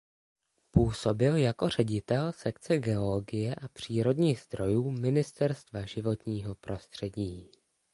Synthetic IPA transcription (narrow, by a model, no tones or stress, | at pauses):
puːso̞bɪljako̞r̝ɛɟɪt̪ɛlsɛkt͡sɛɡɛo̞lo̞ɡɪjɛʔapr̝̥iːɾo̞dɲiːxzd̪ɾo̞juːmɪnɪst̪ɛɾst̪vaʒɪvo̞t̪ɲiːɦo̞pɾʔo̞st̪r̝̥ɛɟiː